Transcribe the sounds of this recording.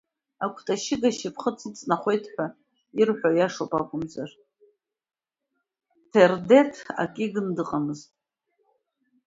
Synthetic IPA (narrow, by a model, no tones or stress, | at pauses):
akʷʰtʰʼaʃɪɡaʃipʰχət͡sʰɨt͡sʼnaχʷe̞jtʰħʷᶣa | irħʷajaʂopʼakʷʼʊmzar | tʰerde̞tʰa̰kʼiɡɨndɨqʼamɨztʼ